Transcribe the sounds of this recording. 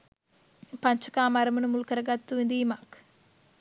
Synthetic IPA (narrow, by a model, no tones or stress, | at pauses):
pɐɲt͡ʃɐkaːmɐɾɐmunumulkɐɾɐɡɐt̪ːuind̪iːmak